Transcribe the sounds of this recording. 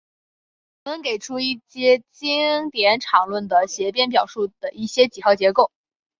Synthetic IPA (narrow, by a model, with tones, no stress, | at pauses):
wɔ˨˩mə˧˦nke˨˩ɪʈ͡ʂʰu˥i˥˩ɕjɛ˥t͡ɕi˥ŋt̪jɛ˧˥nʈ͡ʂʰɑ˨˩ŋlwə˥˩nd̪ə˩ɕjɛ˧˥pjɛ˥np̬jɑ˨˩ʊʂu˥˩d̪̥ə˩ʔi˥˩ɕjɛ˥t͡ɕi˨˩xɑ˥˩t͡ɕjɛ˧˥ko˥˩ʊ